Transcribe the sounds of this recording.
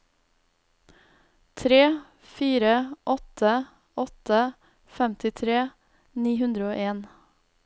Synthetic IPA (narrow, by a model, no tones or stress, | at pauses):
t̪ʰɾeː | fiːɾəʔɔt̪ə | ɔt̪ə | fɛmt̪ɪt̪ʰɾeː | niːhʉnd̪ɾəoːʔeːn